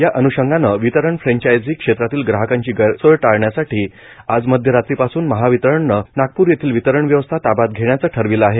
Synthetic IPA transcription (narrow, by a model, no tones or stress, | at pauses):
jaʔənuɕəŋɡanəʋit̪əɾəɳfɾɛ̃ɲt͡ɕajd͡ziːkʂet̪ɾat̪iːlɡɾaɦəkaɲt͡ɕiːɡəsəɭʈaɭɳjasaʈʰiː | ad͡zməd̪ʱjəɾat̪ɾiːpasuːnməɦaʋit̪əɾəɳnənaɡ̚puːɾjet̪ʰiːlʋit̪əɾəɳʋjəʋəst̪ʰat̪abat̪̚ɡʱeɳ̃jat͡səːʈʰəɾʋiləaɦe